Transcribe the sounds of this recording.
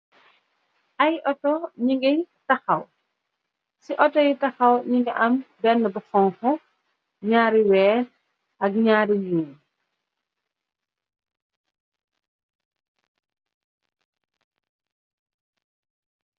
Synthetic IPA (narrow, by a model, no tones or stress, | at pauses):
ʔɐjʔɔtɔɲiŋɡɛtaxɐw | siʔɔtɔjtɐxɐwɲiŋɡɛʔɐmbɛnːəbɐxɔŋhɔ | ɲaːɾiwɛː | ʔɐk̚ɲaːɾijuːn